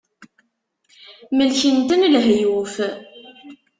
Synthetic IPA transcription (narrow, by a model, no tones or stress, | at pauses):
məlçənt̪ənlɦjuf